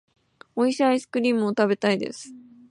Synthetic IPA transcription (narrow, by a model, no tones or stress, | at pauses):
o̞iɕiaisɨ̥kɯ̟ɾʲiːmɯ̟ot̪abe̞t̪aid̪e̞̰sɨ̥